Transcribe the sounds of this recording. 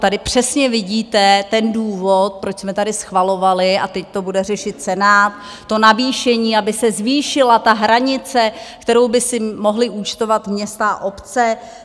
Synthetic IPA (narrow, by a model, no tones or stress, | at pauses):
t̪adɪpr̥ɛsɲɛvɪɟiːt̪ɛt̪ɛnduːvot̪̚pɾot͡ʃsmɛt̪adɪsxvalo̞valɪat̪ɛct̪o̞budɛrɛʃɪt̪̚t͡sɛnaːt̪̚ː | o̞naviːʃɛɲiːabɪsɛzviːʃɪlat̪aɦɾaɲɪt͡sɛkt̪ɛɾo̞wbɪsɪmo̞ɦlɪʔut͡ʃt̪o̞vat̪mɲɛst̪a̰ʔo̞pt͡sɛ